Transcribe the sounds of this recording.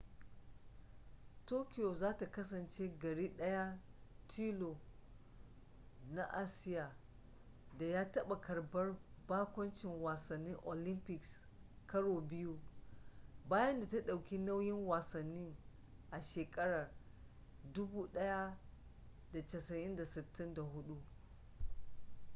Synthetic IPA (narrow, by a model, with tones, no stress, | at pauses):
toː˦kʲɪ˦jo˨zaː˦ta˨kɐ˦sɐ˨nt͡ʃe˦ɡɐ˨ɽiː˦ɗɐ˦ja˦tʰiː˦lo˨ | na˦ʔa˦sɪ˦jaː˨ | da˨jaː˦tɐ˦ɓa˨kɐ˨rbɐ˦rbaː˦kʷɐ˦nt͡ʃɪ˨ŋwaː˨sɐ˨nːɪ˦ŋʔo˨lɪ˦mpɪ˨ks | kɐ˦ɽoː˨bɪ˦ju˦ | baː˦jɐ˦nda˨ta˦ɗa˨wkʲi˦na˦wjɪ˦ŋwaː˨sɐ˨nːiː˦ | ʔa˨ʃeː˨kʼɐ˦ɽɐ˨r | dʊ˦buː˦ɗɐ˦ja˦ | da˨tɐ˨sɐ˨ʔɪ˦nda˨sɪ˨tʰːɪ˦nda˨ɦʊ˦ɗu˦